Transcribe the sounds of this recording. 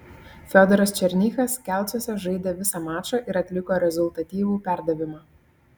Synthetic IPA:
fʲod̪ʲɛɾɐst͡ʃʲɛɾʲnʲiːxɐskʲæˑlˠt͡s̪ʲosʲɛʒɐɪd̪ʲeːʋʲɪsɑmɑːʃɐʔɪɾɐt̪ʲlʲɪkoːɾʲɛzʊlʲˠt̪ɐt̪ʲiːʋuːpʲæˑɾd̪ɐʋʲɪmɑ

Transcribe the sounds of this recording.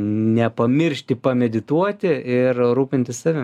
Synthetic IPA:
nʲɛpɐmʲɪɾʲʃʲt̪ʲɪpɐmʲɛd̪ʲɪt̪uɔt̪ʲɪɪrɾuːpʲɪnt̪ʲɪsɑːʋʲɪ

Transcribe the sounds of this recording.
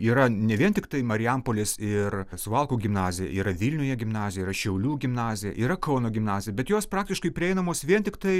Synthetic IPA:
iːɾɐnʲɛʋʲiɛnt̪ʲɪkt̪ɐɪmɐɾʲɪɛmpoːlʲɪsɪrsʋɐlˠkuːɡʲɪmnɑːzʲɪjɛ̰iːɾɐʋʲiːlʲnʲʊjɛɡʲɪmnɑːzʲɪjɛiːrɐʃʲɛʊlʲuːɡʲɪmnɑːzʲɪjɛ̰ʔiːɾɐkoːnoːɡʲɪmnɑːzʲɪjɛbʲɛt̪joːspɾɑːk̚t̪ʲɪʃkɐɪpʲɾʲɪɛɪnɐmoːsʋʲiɛnt̪ʲɪkt̪ɐɪ

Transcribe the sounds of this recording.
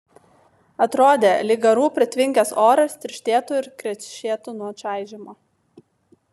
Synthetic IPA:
ɐt̪ɾoːd̪ʲeːlʲɪɡɐɾuːpʲɾʲɛt̪ʲʋʲɪŋʲkʲɛsoːɾɐst̪ʲɪɾʲʃʲt̪ʲeːt̪ʊɪɾkɾʲɛʃʲeːt̪ʊnuɔt͡ʃæˑɪʒʲɪmoː

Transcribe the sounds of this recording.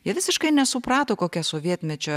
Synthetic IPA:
jiɛʋʲɪsʲɪʃkɐɪnʲɛsʊpɾɑːt̪oːkoːkʲɛsoːʋʲiɛt̪ʲmʲɛt͡ʃʲɛ

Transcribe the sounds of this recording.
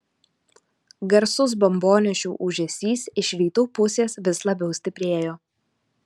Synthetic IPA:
ɡɐɾsʊs̬bɔmboːnʲɛʃʲuːʔuʒʲɛsʲiːsɪʃʲɾʲiːt̪uːpʊsʲeːsʋʲɪslˠɐbʲɛʊsʲt̪ʲɪpʲɾʲeːjoː

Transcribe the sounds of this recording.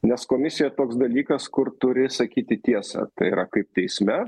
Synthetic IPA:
nʲɛskoːmʲɪsʲɪjɛt̪oːksd̪ɐlʲiːkɐskʊrt̪ʊɾʲɪsɐkʲiːt̪ʲɪt̪ʲiɛsɐ̰t̪ɐɪiɾɐkɐɪp̚t̪ʲɛɪsʲmʲɛ

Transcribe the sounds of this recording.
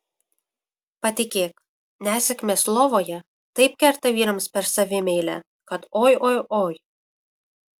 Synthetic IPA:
pɑt̪ʲikek̚ | nʲæsɘ̆kmʲeslˠovojɛ | t̪ɐjp̚kʲært̪æviɾə̆mspɛrsɑvʲemelʲæ̰ | kɑt̪ojojoj

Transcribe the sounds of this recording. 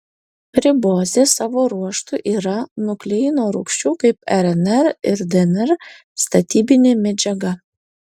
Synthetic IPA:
pʲɾʲɪboːzʲeːsɑːʋoːɾuɔʃt̪ʊʔiːɾɐnʊklʲɛjnoːɾʊ̰kʃʲt͡ʃʲuːkɐɪpɛɾɛnɛɾɪɾd̪ʲɛnɛɾ | st̪ɐt̪ʲiːbʲɪnʲeːmʲɛd͡ʒʲɛɡɐ

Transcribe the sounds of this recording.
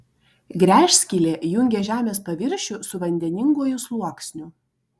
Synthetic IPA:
ɡɾʲæːʃʲsʲkʲilʲeːjʊŋʲɡʲeːʒʲæːmʲeːspɐʋʲɪɾʲʃʲʊsʊʋɐnʲd̪ʲɛnʲɪŋɡuɔjʊslˠuɔksʲnʲʊ

